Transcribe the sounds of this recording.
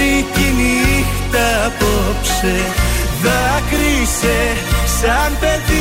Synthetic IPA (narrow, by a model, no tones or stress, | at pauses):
ic̪inixt̪ɐpopseðɐkɾise | sɐnpeði